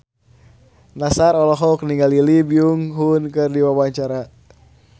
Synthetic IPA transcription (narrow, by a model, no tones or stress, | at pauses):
nasaɾɔlɔɦɔkniŋɡalilibiuŋɦunkɨrdiwawaɲt͡ʃaɾa